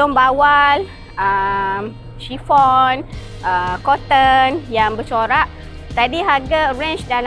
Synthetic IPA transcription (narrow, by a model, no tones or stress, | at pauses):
ʊmbawal | əm | ʃifɔn | ʔəkɔt̪ənjaŋbət͡ʃoɾaʔ | t̪adiɦaɡaɾɛ̃nt͡ʃdal